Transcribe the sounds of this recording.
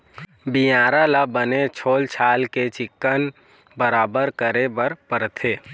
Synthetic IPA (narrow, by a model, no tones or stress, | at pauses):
bijaːɾalabənet͡ʃʰoːlt͡ʃʰaːlket͡ʃɪkːən | bəɾaːbəɾkəɾebəɾpəɾt̪ʰeː